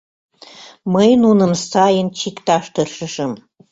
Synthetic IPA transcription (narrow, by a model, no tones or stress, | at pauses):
məjnunə̆msɑjənt͡ɕikt̪ɑʃt̪ɤrʃəʃəm